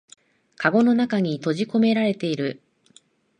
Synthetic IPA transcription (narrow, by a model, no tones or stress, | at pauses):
kaɡo̞no̞nakaɲ̟it̪o̞ʑiko̞me̞ɾaɾe̞t̪e̞iɾɯ̟